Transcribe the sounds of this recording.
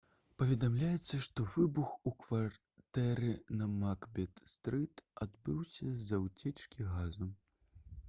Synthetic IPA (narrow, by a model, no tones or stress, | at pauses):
pɐvʲɛd̪amlʲajɛt̪sːɐʂt̪ɔvɨbuxukvar | t̪ɛɾɨnɐmakbʲɛt̪st̪ɾɨt̪ad̪bɨwsʲɐzɐwt͡sʲɛt͡ʂkʲiɣazu